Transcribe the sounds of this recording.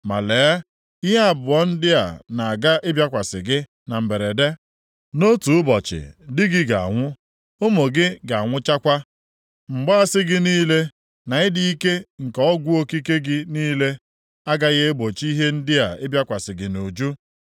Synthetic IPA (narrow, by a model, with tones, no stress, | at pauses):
ma̰˨leː˨˦ | i˦ɦe˦a˨bʊ˨ɔ˦n̩˦dɪ˦a̰˨na˨a˨ɡa˦ʔɪ˦bʲja˦kʷa˨sɪ˨ɡɪ˦ | na˨m̩˨be˨ɾe˨de˦ | no˦tu˨ʊ˦bɔ˨t͡ʃɪ̰˨dɪ˦ɡɪ˦ɡa̰˨a̰˨ŋʷʊ˦ | o˦mo˨ɡɪ˦ɡa˨a˨ŋʷʊ˦t͡ʃa˦kʷa˦ | ŋ͡m̩˨ɡ͡ba˦a˦sɪ˦ɡɪ˦niː˦le˦ | na˨ɪ˦di˦i˦ke˦ŋ̩˨kɔ˦ɡʷu˦o˦ki˦ke˦ɡɪ˦niː˦le˦ | a˦ɡa˦ɣe˦e˦bo˨t͡ʃi˦ɦe˦n̩˦dɪ˦a˨ɪ˦bja˦kʷa˨sɪ˨ɡɪ˨no˨d͡ʒu˦